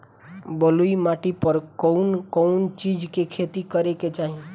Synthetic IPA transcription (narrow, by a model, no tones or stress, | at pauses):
bəluimaʈipəɾkɔʊnkɔʊnt͡ʃid͡ʒkekʰet̪ikəɾeket͡ʃaɦi